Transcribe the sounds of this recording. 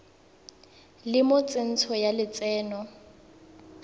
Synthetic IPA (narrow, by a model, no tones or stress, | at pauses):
lɪmʊt͡sʼen̩t͡sʰɔjalɪt͡sʼɛːnɔ